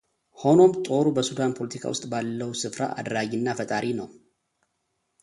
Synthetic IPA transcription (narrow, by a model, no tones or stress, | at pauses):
ho̞no̞mt̪ʼo̞ɾubəsud̪anpʰo̞lət̪ʰikʰa̰wʊst̪ʼbalːəwusɨfɾa̰ʔa̰d̪ɾaɡinːafət̪ʼaɾinəw